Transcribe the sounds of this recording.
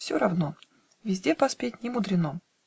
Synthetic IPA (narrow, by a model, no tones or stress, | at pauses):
fsʲoɾɐvno | vʲɪzʲdʲepɐspʲet̚ʲnʲɪmʊd̪ɾʲɪno